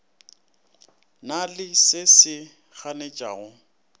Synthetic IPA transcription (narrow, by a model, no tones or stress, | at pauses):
nalɪsɪsɪ | ɣanet͡ʃʼa̰ːɣʊ